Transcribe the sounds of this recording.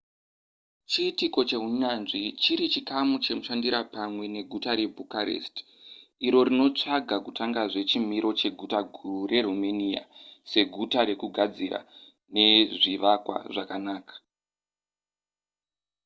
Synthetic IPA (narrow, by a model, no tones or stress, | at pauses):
t͡ʃiːtiko̞t͡ʃe̞uɲanʐit͡ʃiɾit͡ʃikamut͡ʃe̞muʃandiɾapamwe̞ne̞ɡʱutaɾe̞bʱukaɾḛst | iɾo̞ɾino̞t͡ʂaɡʱakutaŋɡaʐe̞t͡ʃim̤iɾʔo̞t͡ʃe̞ɡʱutaɡʱurure̞ɾumenija̰se̞ɡʱutaɾe̞kuɡʱad͡zira̰ | ne̞ʐiʋakwa̰ʐakanaːkḁ